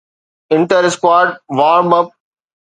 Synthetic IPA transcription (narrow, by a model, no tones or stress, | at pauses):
ɪ̃ɳʈəɾɪskwaːɾɖʋaːɾbɐp̚